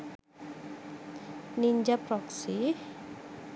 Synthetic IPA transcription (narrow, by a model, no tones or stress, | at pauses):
niɲd͡ʒapɾɔksi